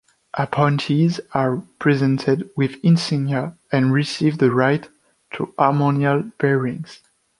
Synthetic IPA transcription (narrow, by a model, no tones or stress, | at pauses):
ʔapʰɔ̃ntʰizapʰɹ̥ɛzɛ̃ntʰɪdwɪðɪ̃nsĩnjə | ɨ̃nɹisivðəɹajtʰː | ṵʔamɔnialb̥ɛɹɪ̃ŋz̥